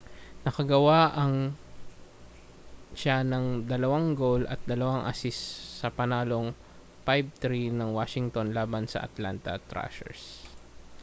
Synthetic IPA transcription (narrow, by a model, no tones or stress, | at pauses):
nɐkɐɡɐwaʔɐŋ | ʃanɐŋd̪ɐlɐwaŋɡowlɐ̰t̪̚d̪ɐlɐwaŋʔɐ̰sɪsːɐpɐnaːlo̞ŋ | pajb̚t̪ɾinɐŋwaːʃɪŋt̪onlaːbɐnsɐ̰ʔɐ̰t̪la̰nt̪ɐ̰t̪ɾa̰ʃɛ̰ɹs